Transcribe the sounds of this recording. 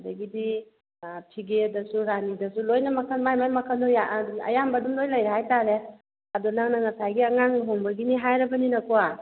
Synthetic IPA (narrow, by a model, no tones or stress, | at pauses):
dɐɡidi | pʰiɡedɐsuɾanidɐsulojnɐmɐkʰanmajmajmɐkʰanojaɐ̰jambɐdumlojlɐjɾeɦajtaɾe | ɐdunaŋnɐŋɐsajɡiɐŋaŋɦoŋbɐɡiniɦajɾɐbɐninɐkua